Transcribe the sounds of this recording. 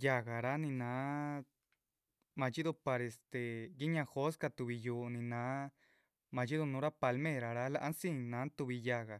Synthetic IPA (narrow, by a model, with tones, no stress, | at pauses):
ja˧ɣa˨ɾa˦nĩ˧nãː˨˦ | mã˧t͡ʃi˦ðu˧pa˧ɾe˧st̪e˧ɡi˦ɲã˧xo˦ska˧t̪u˧βi˧juː˧nĩ˧nãː˨˦ | mã˧t͡ʃi˦ðu˧nũ˨˦ɾa˦pa˧lmẽ˦˧˨ɾa˨ɾa˦la˦˧ʔa˧nsĩ˦nã˨˦nt̪u˧βi˧ja˧ɣa˨